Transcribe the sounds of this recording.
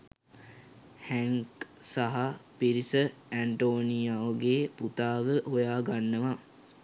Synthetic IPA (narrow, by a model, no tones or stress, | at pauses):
hæŋksaɦapiɾisəæɳʈoːnijaoɡeːput̪aːʋəɦojaːɡanːəʋa